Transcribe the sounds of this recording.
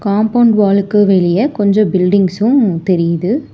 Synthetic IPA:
kaːmpɐʊɳɖʋaːlɯkːɯʋɛɭɪjɐkɔɲd͡ʒɔ̃bɪlɖɪŋɡsʊ̃t̪ɛɾɪjɐðɯ

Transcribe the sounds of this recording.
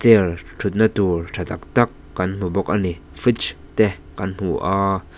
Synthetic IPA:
t͡sɛltʰut̪̚nat̪urtʰat̪ak̚t̪akːɐnm̥ubɔk̚ʔani | fit͡ʃ | t̪ɛ | kanm̥uʔaː

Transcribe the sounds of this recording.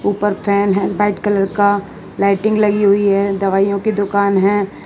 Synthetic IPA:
uːpəɾpʰɛːnɦɛ̃sbaːɪʈkɐləɾka | laɪʈɪ̃ŋɡlɐɡiɦʊiɦɛːd̪ɐʋaːijõkid̪ʊkaːnɦɛ̃ː

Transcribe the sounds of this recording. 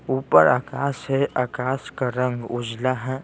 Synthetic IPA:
uːpəɾaːkaːsɦɛʔakaːskaɾə̃ŋɡʊd͡ʒlaɦɛ̃ː

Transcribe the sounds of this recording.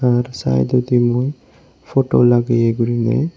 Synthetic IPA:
aɾsa̰jd̪od̪imuj | fʰoʈolaɡejeɡuɾinḛ

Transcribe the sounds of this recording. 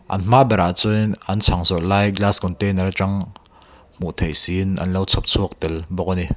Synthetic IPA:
ʔɐ̰nm̥aʔbɛɾaʔt͡sunʔɐnt͡sʰaŋzɔʔlaːjɡlasɡɔnt̪ɛnaɾt͡ʃaŋ | m̥uʔt̪ʰejsinʔɐ̰nlowt͡sʰɔp̚t͡sʰuək̚t̪ɛlbɔk̚ani

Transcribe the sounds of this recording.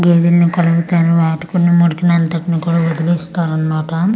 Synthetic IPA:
ɡeːd̪ilnikɐlɐɡut̪aːɾuʋaːʈikunːimuɽkinɐnt̪ɐʈinikuːɽaːʋod̪ileːst̪aːɾɐnːaːʈɐ

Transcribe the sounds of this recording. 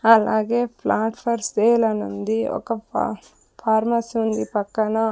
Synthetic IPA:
ɐlaːɡepʰlaːʈpʰɐɾseːlɐnond̪iɔ̰kɐ | pʰaːɾmɐsund̪ipɐkːɐnɐ

